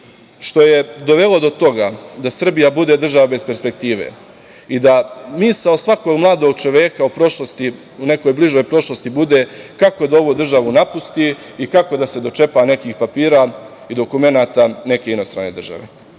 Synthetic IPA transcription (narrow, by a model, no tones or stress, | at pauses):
ʃt̪o̞je̞d̪o̞ʋe̞lˠo̞d̪o̞t̪o̞ɡad̪asr̩bijabud̪ed̪r̩ʒaʋabe̞spe̞ɾspe̞k̚t̪iːʋḛ | id̪amisaosʋakoɡmlˠaːd̪o̞ɡ̚t͡ʃo̞ʋeːkaupɾo̞ʃlˠost̪i | une̞ko̞jbliʒo̞jpɾo̞ʃlost̪ibud̪e̞kako̞d̪ao̞ʋud̪r̩ʒaʋunapust̪i | ikako̞d̪ase̞d̪o̞t͡ʃe̞pane̞kiːxpapiːɾa | id̪o̞kume̞naːt̪ane̞ke̞ino̞st̪ɾa̰nːe̞d̪r̩ʒa̰ʋḛ